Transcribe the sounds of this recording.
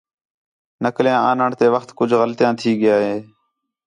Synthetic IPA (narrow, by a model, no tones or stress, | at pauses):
nəkljãːaːnəɳt̪eːʋəxt̪kʊd͡ʒʱɣəlt̪ɪjãːt̪ʰiːɠɪjaːɦeː